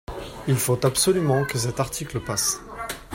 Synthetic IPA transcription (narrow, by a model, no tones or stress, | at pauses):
ilfot̪apsɔlymɑ̃kəs̬ɛt̪aʁt̪ʰikləpas